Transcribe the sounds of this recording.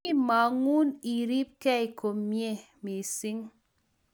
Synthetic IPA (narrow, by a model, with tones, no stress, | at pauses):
i˦ma˨ŋu˦ni˨ɾi˦p̚kɛ˦i˨ko˨mːje˦˨ | mi˨si˦ŋ